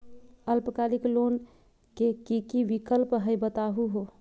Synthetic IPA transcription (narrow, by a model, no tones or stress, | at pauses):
əlpkaliklon | kekikiʋikəlpɦəjbət̪aɦuɦo